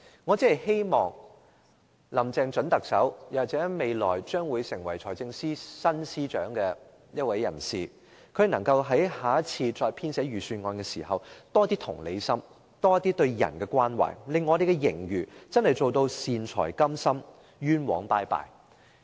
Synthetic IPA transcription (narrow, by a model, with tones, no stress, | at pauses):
ŋɔː˨˧t͡si˥hɐ˨jhe˥jmɔː˨ŋ | lɐ˨˩mt͡sɛː˨˧ŋt͡ʃɵ˨˥nt̪ɐ˨k̚sɐ˨˥wjaː˨˩t͡sɛː˨˥me˨˧jlɔ̰ː˨˩jt͡ʃœː˥ŋwuː˨˧jsɪ˨˩ŋwɐ˨˩jt͡ʃʰɔː˨˩jt͡sɪ˧ŋsiː˥sɐ˥nsiː˥t͡ʃœː˨˥ŋkɛː˧ | jɐ˥t̚wɐ˨˥jːɐ̰˨˩nsiː˨˩ | kʰɵ˨˧˥nɐ˨˩ŋkɐ˧wɦɐ˨˥jhaː˨˥t͡sʰiː˧t͡ʃɔː˧jpʰiː˥nsɛː˨˥ɥyː˨˩syː˧nŋɔː˧nkɛː˧sḭː˨˩hɐ˨wt̪ɔː˥t̪iː˥t̪ʰʊ̰˨˩ŋlḛ˨˧jsɐ˥m | t̪ɔː˥jɐ˥t̪i˥t̪ɵ˧ɥjɐ̰˨˩nkɛː˧kʷaː˥nwa̰ː˨˩jlɪ˨ŋːɔː˨˧d̪e˨jkɛ˧jɪ˨˩ŋjyː˨˩t͡sɐ˥nhɐ˨˩jt͡so˨wt̪o˧wsiː˨nt͡sʰɔ̰ː˨˩jkɐ˥msɐ˥m | jyː˥nwɔ̰ː˨˥ŋpaː˧jpa̰ː˨j